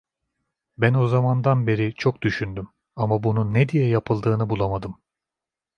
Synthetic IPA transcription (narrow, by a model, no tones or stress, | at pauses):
bæno̞zamand̪anbe̞ɾit͡ʃʰo̞k̚d̪yʃynd̪ym | amabununːed̪ijɛjapʰɯlˠd̪ɯːnɯbulˠamad̪ɯm